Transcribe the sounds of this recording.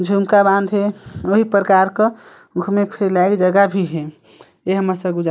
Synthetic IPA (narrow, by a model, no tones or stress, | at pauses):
d͡ʒʱumkabãnd̪ɦeoɦipɾəkaːɾkə | ɡʰmẽpʰeɾlakd͡ʒəɡabʱiɦe | jeɦəməsəɡud͡ʒa